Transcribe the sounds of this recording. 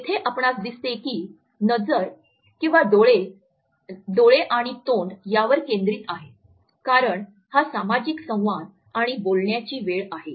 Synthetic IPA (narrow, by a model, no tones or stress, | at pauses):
it̪ʰeʔapɳasd̪ist̪ekiː | nəd͡zəɾ | kĩw̃ʋad̪ɭe | d̪oɭeʔaɽ̃it̪oɳɖjaʋəɾkẽnd̪ɾiːt̪aɦe | kaɾəɳ | hasamad͡ʑiksə̃w̃ʋad̪ | aɽ̃ibolɳjat͡ɕiːʋeɭaɦe